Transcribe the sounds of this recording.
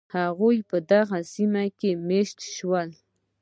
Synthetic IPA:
aʁʊjpad̪ɑɢɑsɪmakɪmeʃt̪ʃwal

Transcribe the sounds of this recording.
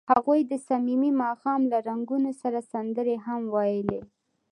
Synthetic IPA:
haɣujd̪əsamimimɑxɑmlaɾaŋɡunosaɾasand̪əɾeɦamwɑjəle

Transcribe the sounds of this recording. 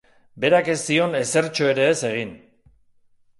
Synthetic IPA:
be̞ɾake̞st̪io̞ne̞se̞ɾt͡ʃo̞e̞ɾe̞ːse̞ɣ̞in

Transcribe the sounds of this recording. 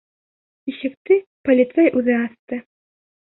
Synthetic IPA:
iʃɘ̆k̚t̪ɘpolʲit̪sɛjʔʉðɘɑst̪ɤ

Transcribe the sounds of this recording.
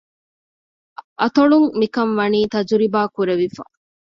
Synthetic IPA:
ʔɐt̪oɭuŋmikɐnʋɐniːt̪ɐd͡ʒuɾibaːkuɾeʋifɐ̰

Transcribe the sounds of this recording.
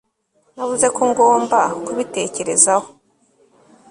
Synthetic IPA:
navuze̞koŋɡo̞ːmbakuβite̞ːce̞ɾe̞zaho

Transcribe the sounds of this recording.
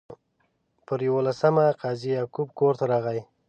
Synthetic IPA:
pəɾjawolasamaqɑzijɑkʊb̚koɾt̪aɾɑɣaj

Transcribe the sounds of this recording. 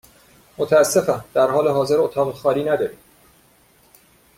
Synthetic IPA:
mot̪ʰææsːe̞fænd̪̥æɾɦɒːle̞ɦɒːze̞ɾot̪ʰɒːɣexɒːɾiːnæd̪ɒːɾiːm

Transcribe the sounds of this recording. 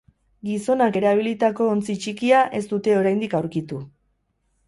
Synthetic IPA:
ɡiso̞nake̞ɾaβ̞ilit̪ako̞ːnt͡sit͡ʃikiaʔe̞st̪ut̪e̞o̞ɾajnd̪ikawɾkit̪u

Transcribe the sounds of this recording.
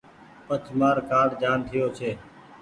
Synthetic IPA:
pət͡ʃʰmaːɾkaːɽd͡ʒaːnt̪ʰɪjoːt͡ʃʰeː

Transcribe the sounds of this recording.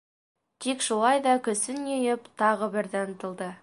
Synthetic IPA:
t̪ʰikʃulˠɑjd̪ɑkʲɵ̆sɪnɵjɪpt̪ʰɑʁəbɪɾd̪ɪnt̪ə̆lˠd̪ə

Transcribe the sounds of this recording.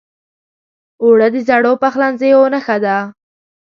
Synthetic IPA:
oɽad̪əzaɽopaxlanzejonaxad̪a

